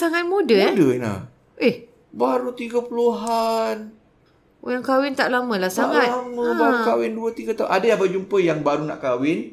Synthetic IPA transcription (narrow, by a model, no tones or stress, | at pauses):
saŋat̪̚mudədəna̰ | ʔih | baɾut̪iɡapuluɦan | jaŋkawɪnt̪aʔlamə̃lahsaŋat̪laməbaɾukawɪnduət̪iɡat̪aṵʔadajabəd͡ʒumpəjaŋbaɾunã̰ʔkawɪn